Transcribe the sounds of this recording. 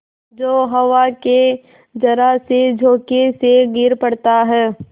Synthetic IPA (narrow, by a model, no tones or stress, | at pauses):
d͡ʒoːɦɐʋake | d͡ʒɐɾəɦsed͡ʒʱoːkeseɡɪɾpɐɽt̪aɦɛː